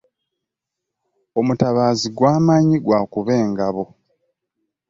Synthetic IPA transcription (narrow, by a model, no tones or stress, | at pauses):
o̞mutaβaːziɡwaːmaɲiɡwaːkuβe̞ːŋɡaβo̞